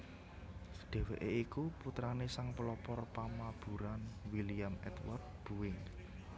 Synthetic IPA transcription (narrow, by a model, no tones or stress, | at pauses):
ɖ̥e̤weʔeikuput̪ɾanesaŋpəlɔpɔrpamab̥ṳɾanwilijamɛ̰t̪wa̰rd̪̚b̥ṳwɪŋ